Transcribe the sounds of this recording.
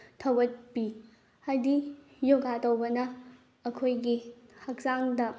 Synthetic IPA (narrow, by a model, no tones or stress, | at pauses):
tʰɐwbɐt̚pi | ɐdi | joɡatɐwbɐnɐ | ɐkʰojɡihɐk̚saŋdɐ